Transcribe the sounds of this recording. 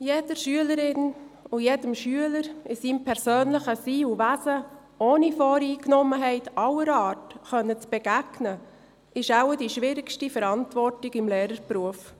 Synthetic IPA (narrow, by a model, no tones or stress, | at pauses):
jed̥əɾʃyələɾɪnʊjedəmʃyələɾɪsiːmpʰɛɾsøːnləχəsiːuʋæsə | oːnifɔːɾiːknɔməɦɛɪtʰɑwəɾɑːtχœnːət͡sb̥ɛɡ̥æɡ̥nə | ʔɪʃawədiʃʋɪɾɪkʃtifəɾɑntʋɔɾtɪɡɪmleːɾəɾbruəf